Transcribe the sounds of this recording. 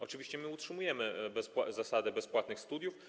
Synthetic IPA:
ɔt͡ʂɘvʲiɕt͡ɕɛmɘutʂɘmujɛmɘbɛspwzasad̪ɘbɛspwat̪nɘxst̪ud̪ʲjuf

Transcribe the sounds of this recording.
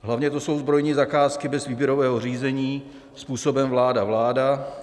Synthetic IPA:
ɦlavɲɛt̪oso̞wzbɾo̞jɲiːzakaːskɪbɛzviːbjɛɾo̞vɛːɦo̞riːzɛɲiː | spuːso̞bɛmvlaːdavlaːda

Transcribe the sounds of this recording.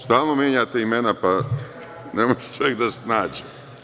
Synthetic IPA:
st̪aːlˠnomjeːɲat̪eimenapa | nemoʒut͡ʃojekd̪asnaːd͡ʑe

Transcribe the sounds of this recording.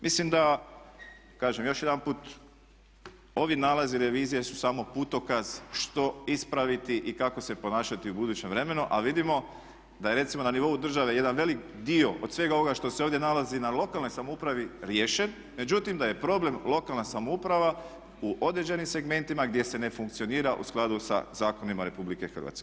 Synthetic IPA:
mʔislimd̪a | kaːʒemjo̞ʃje̞d̪anpuːt̪ | o̞ʋinalˠaziɾe̞ʋiːzijesu̥samo̞put̪o̞kaz̥ʃt̪o̞ispɾaʋit̪iʔikako̞se̞po̞naːʃat̪iubud̪uːt͡ɕe̞mʋɾe̞me̞nuʔaʋid̪imo̞ | d̪ajeɾe̞t̪simo̞naniʋo̞ud̪r̩ʒaʋe̞je̞d̪anʋe̞lik | d̪io̞ʔod̪̥sʋe̞ɡao̞ʋo̞ɡaʃt̪o̞seoːvd̪je̞nalazinalo̞kalno̞jsamoupɾaʋiɾjeːʃe̞n | me̞d͡ʑut̪imd̪aje̞pɾo̞ble̞mlo̞kalnasamoupɾaʋa | uʔo̞d̪ɾe̞d͡ʒe̞nimse̞ɡme̞nt̪imaɡd̪je̞se̞ne̞fuŋk̚t̪sio̞niːɾaʔṵsklˠad̪usa̰zaːko̞nimaɾe̞publikexr̩ʋa̰t̪ke

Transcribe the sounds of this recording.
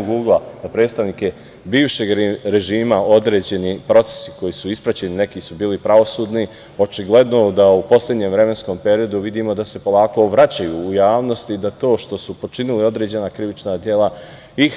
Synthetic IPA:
oɡuːɡlad̪̥apɾe̞ːt̪st̪aʋnike | biːʋʃe̞ɡɾeʒiːmao̞d̪ɾe̞ːd͡ʑe̞nipɾo̞t̪e̥si̥ko̞jisuispɾat͡ɕe̞nine̞kisubiːlipɾaʋo̞suːd̪ni | o̞t͡ʃiɡle̞d̪no̞d̪aupo̞slʲed̪ɲe̞mʋɾe̞me̞nsko̞mpe̞ɾio̞d̪uʋid̪imo̞d̪ase̞po̞lˠaːko̞ʋɾat͡ɕajuːjaːʋno̞st̪id̪at̪o̞ːʃt̪o̞supo̞t͡ʃinilio̞d̪ɾe̞ːd͡ʑe̞nakɾiʋit͡ʃnad̪je̞la | i

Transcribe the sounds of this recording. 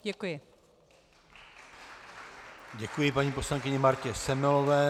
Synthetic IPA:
ɟɛkujɪ | ɟɛkujɪpaɲiːpo̞slaŋkɪɲɛmaɾcɛsɛmɛlovɛː

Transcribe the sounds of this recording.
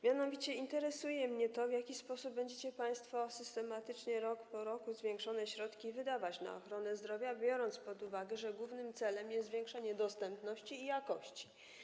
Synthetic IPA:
mʲjanɔvʲit͡ɕɛint̪ɛɾɛsujɛmɲɛt̪ɔvʲjakʲispɔsup̚bːɛɲd͡ʑet͡ɕɛpaj̃st̪fɔsɘst̪ɛmat̪ɘt͡ʂɲɛɾɔkpɔɾɔkuzvʲjɛŋkʂɔnɛɕɾɔt̪kʲivɘd̪avat͡ɕna̰ɔ̰xɾɔnɛzd̪ɾɔvʲjabʲjɔɾɔnt̪spɔd̪uvaɡɛʐɛɡwuvnɘmt̪sɛlɛmjɛszvʲjɛŋkʂaɲɛd̪ɔst̪ɛmpnɔɕt͡ɕiːjakɔɕt͡ɕi̥

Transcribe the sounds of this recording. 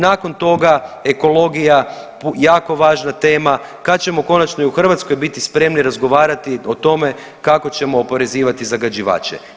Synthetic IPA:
naːko̞nt̪o̞ɡae̞ko̞lo̞ɡija | pjaːko̞ʋaːʒnat̪e̞ːma | kat̪̚t͡ɕe̞mo̞ko̞nat͡ʃno̞iuxr̩ʋat̪sko̞jbit̪ispɾe̞mniɾazɡo̞ʋaːɾat̪io̞t̪o̞me̞ | kako̞t͡ɕe̞mo̞ːpo̞ɾe̞ziːʋat̪izaɡad͡ʒiʋa̰ːt͡ʃḛ

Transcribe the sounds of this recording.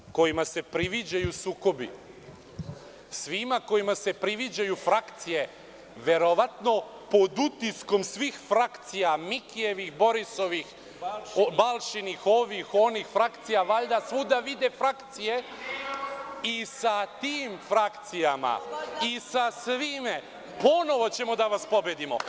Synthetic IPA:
ko̞jimase̞pɾiʋid͡ʑajusuːko̞bḭ | sʋimako̞jimase̞pɾiʋid͡ʑajufɾakt̪sije̞ | ʋe̞ɾoʋat̪no̞ | po̞d̪ut̪isko̞msʋixfɾakt̪sijamikije̞ʋixbo̞ɾiso̞ʋix | balˠʃinixo̞ʋixo̞nixfɾakt̪sijaʋaʎd̪asʋud̪aʋid̪efɾakt̪sije̞ | isat̪iːmfɾakt̪sijama̰isasʋime | po̞no̞ʋo̞t͡ɕe̞mo̞d̪aʋaspo̞bjed̪imo̰

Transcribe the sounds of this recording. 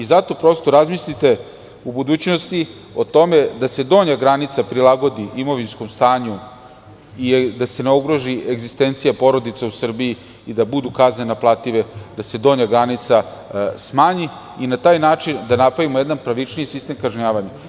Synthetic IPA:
izat̪o̞pɾo̞st̪o̞ɾazmislit̪e̞ | ubud̪uːt͡ɕno̞st̪i | o̞t̪o̞me̞d̪ase̞d̪o̞ːɲaɡɾanit̪sapɾilˠaɡo̞d̪iʔimo̞ʋinsko̞mst̪aːɲu | id̪ase̞neoɡɾo̞ʒiʔeɡzist̪e̞nt̪sijapo̞ɾo̞d̪it̪sausr̩bii | id̪abud̪ukaznenaplˠat̪iʋe̞d̪̥ase̞d̪o̞ːɲaɡɾanit̪sasmaːɲi | inat̪aːjnaːt͡ʃind̪anapaʋimojed̪anpɾaʋit͡ʃniisist̪e̞mkaʒɲaːʋaɲa

